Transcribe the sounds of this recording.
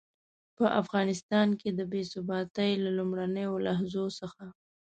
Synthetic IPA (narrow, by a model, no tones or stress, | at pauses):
pəʔafɣɑnɪst̪ɑnked̪əbesʊbɑt̪əjlalumɽanəjolaɦzosəxa